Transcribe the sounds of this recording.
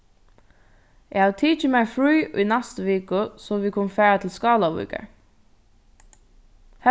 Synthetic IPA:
ɛhaʋt̪ʰiːt͡ʃɪmɛfɹuːʔʊ̰jnɛst̪ʋeːkʊsɔʋiːkʰʊnfæːɹat̪ʰɪlskɑːlaʋṵːkə̰ɹ | h

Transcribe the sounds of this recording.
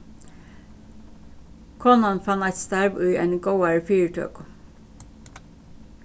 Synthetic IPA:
kʰɔnɑnfɑnæɪt̪st̪æɹʋʉːʔḛːnɡəʊæɹəfyːəɹʈʰø̰ːkʊ

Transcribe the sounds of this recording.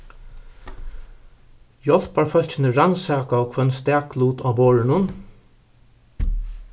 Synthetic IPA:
jɔl̥paɹfœl̥t͡ʃɪnəɹansaːkaɔkʰœnst̪æːkluːt̪aːboːɹɪnʊn

